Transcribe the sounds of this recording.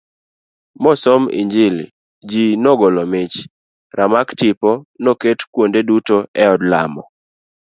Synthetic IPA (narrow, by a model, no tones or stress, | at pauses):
mɔsɔmḭɲd͡ʒil | d͡ʒinɔɡɔlɔmɪt͡ʃ | ɾamaktɪpɔnoketkwondedutoɛɔdla̰mɔ̰